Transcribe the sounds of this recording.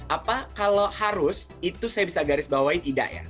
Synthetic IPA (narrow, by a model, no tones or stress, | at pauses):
ʔapakalohaɾʊsit̪usajabisaɡaɾɪsbawait̪ida̰ʔja̰